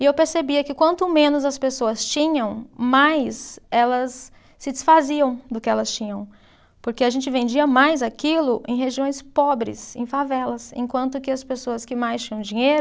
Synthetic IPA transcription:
ɪewpeɾsebiɐkɪkwɐ̃nt̪ʊmẽnʊzɐspesoɐst͡ʃĩɲɐ̃w̃majsɛlɐsː | ɪd͡ʒɪsfaziɐ̃w̃d̪ʊkɪɛlɐst͡ʃĩɲɐ̃w̃ | poɾkeaʒẽnt͡ʃɪvẽnd͡ʒiɐmajzakilʊʔḛ̃j̃ɦeʒiõj̃spɔbɾɪ̰sẽj̃favɛlɐsḛ̃kwɐ̃nt̪ʊkɪɐspesoɐskɪmajst͡ʃĩɲɐ̃w̃d͡ʒĩɲejɾʊ

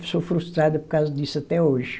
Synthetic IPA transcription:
psofɾuʃt̪ɾaðɐpɔɾkazɐd̪isɐt̪ɛoʒ

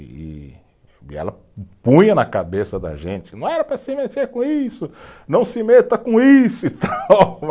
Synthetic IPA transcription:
ɛ̰lɐ | pũjɐnɐkabesɐd̪ɐ̰ʒẽt͡ʃɪnɐ̃w̃ɛɾɐpɾɐsɪmet̪eɾkõisʊnɐ̃w̃sɪmet̪ɐkõisʊit̪aw

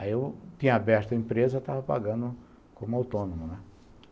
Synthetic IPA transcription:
aiewt̪ĩɲɐabɛɾt̪ɐẽmpɾezɐt̪avɐpa̰ɡɐ̃nd̪ʊ | kõmʊawt̪õnõmʊnɛ

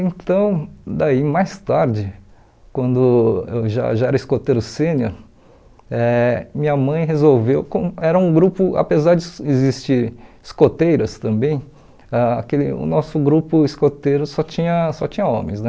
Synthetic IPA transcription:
ẽnt̪ɐ̃w̃d̪aimajst̪aɾd͡ʒɪ | kwɐ̃nd̪ʊewʒa̰ʒaɛɾɐiskot̪ejɾʊsẽnoɾ | ɛmĩɲɐmɐ̃j̃ɦezowvewkõmɛɾɐũɡɾupʊʔa̰pezaɾd͡ʒɪezist͡ʃiɾiskot̪ejɾɐst̪ɐ̃mbẽj̃ | aa̰kelɪʊ̰nɔsʊɡɾupʊiskot̪ejɾʊsɔt͡ʃĩɲɐsɔt͡ʃĩɲɐõ̰mẽj̃znɛ

